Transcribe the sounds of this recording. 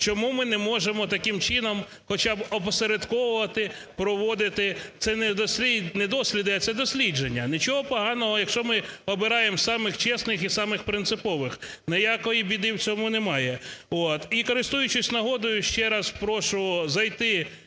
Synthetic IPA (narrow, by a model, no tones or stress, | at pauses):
t͡ʃɔmumɪnɛmɔʒemɔt̪ɐkɪmt͡ʃɪnɔm | xɔt͡ʃɑbɔpɔseɾed̪kɔwʊʋɐt̪ɪ | pɾɔʋɔd̪ɪt̪ɪt̪sɛnɛd̪ɔsʲinɛd̪ɔsʲlʲid̪ɪɐt̪sɛd̪ɔsʲlʲid͡ʒenʲːɐnʲit͡ʃɔɦɔpɔɦɑnɔɦɔjɐkʃt͡ʃɔmɪɔbɪɾɑjemsɑmɪxt͡ʃɛsnɪxisɑmɪxpɾɪnt̪sɪpɔʋɪxnejɑkɔjibʲid̪ɪwt͡sʲɔmunɛmɑjɛɔt̪ikɔɾɪst̪ujʊt͡ʃɪsʲnɐɦɔd̪ʊjʊʃt͡ʃɛɾɑspɾɔʃʊzɐjt̪ɪ